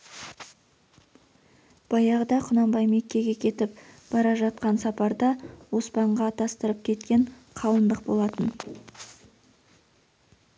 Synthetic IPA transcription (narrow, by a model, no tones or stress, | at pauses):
b̥ɑjɑʁəd̪ɑqʰʊnɑmbɑjme̞kʲːe̞ɡʲe̞kʲʰe̞t̪ɪpb̥ɑɾɑʒɑt̪̚qɑnsɑpɑɾd̪ɑwo̞spɑɴʁɑt̪ʰɑst̪əɾəp̚kʲʰe̞t̪kʲe̞ɴ | qʰɑlˠənd̪əq̚bo̞lˠɑt̪ən